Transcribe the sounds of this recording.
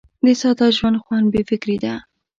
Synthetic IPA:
d̪əsɑt̪ɑʒwand̪xwɑnbefɪkɾid̪a

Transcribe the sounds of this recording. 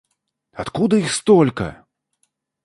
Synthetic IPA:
at̪kud̪ɐixst̪ɔlʲkɐ̰

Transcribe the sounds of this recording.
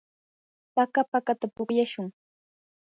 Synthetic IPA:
pakapakat̪apoχjaʃʊŋ

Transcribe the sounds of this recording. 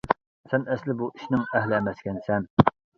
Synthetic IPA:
sɛnɛslɪbuʔiʃnɪŋɛɦlɪɛmɛskʲɛnsɛn

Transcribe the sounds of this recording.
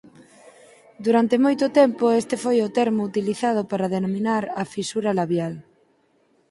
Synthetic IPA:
d̪uɾant̪emojt̪ʊt̪ɛmpʊest̪efojʊt̪ɛɾmʊut̪iliθað̞ʊpaɾaðenomĩnaɾɐfisuɾalaβjal

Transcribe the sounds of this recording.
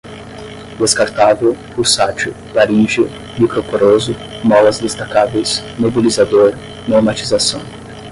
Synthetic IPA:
d̪eskaɾt̪avewpuɾsat͡ʃʊ | baɾiʒʊ | mikɾopoɾozʊ | mɔwɐzd̪est̪akavejsmobilizad̪oɾ | noɾmat͡ʃizasɐ̰̃w̃

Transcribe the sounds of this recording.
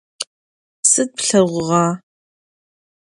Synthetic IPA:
sɨd̚pɬɐʁʷʊʁɑː

